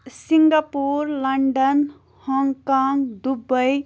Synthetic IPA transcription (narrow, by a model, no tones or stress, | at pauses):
ssiŋɡapuɾləɳɖən | hɔŋkaŋɡd̪ubəj